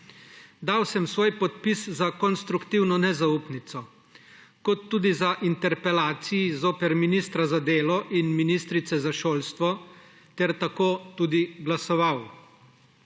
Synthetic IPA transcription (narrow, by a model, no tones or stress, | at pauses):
d̪aːwsɛmsʋoːjpɔt̪piszakɔnst̪ɾukt̪iwnɔnɛzaupnit̪sɔ | kɔt̪ːuːd̪izaʔint̪ɛɾpɛlaːt̪sijizoːpɛɾminist̪ɾazad̪eːlɔʔinminist̪ɾit̪sɛzaʃoːlst̪ʋɔ | t̪ɛɾt̪akoːt̪uːd̪iɡlasɔʋaw